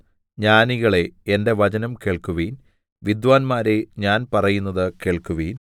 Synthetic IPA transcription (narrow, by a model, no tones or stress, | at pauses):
ɲaːniɣɐɭe̞ende̞ʋɐt͡ɕɐnɐmkeɭkuʋiːn | ʋid̪ʋaːnmaːɾe̞ɲaːnpɐrɐjunːɐðɨkeːɭkuʋiːn